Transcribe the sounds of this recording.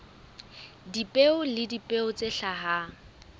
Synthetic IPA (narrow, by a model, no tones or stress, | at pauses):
dipʼeʊlɪdipʼeʊt͡sʼeɬaɦa